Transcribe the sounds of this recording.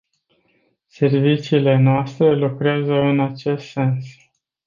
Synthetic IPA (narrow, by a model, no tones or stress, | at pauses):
se̞rvit͡ʃiːle̞noast̪ɾe̞lukɾeazəɨnat͡ʃe̞st̪se̞ns